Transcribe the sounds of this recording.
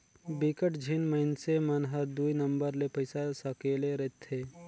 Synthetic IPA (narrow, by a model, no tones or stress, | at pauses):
bikəʈd͡ʒʱinmənsemɐnɦəɾd̪uinɐmbəɾlepəɪsasəkeːleɾet̪ʰːe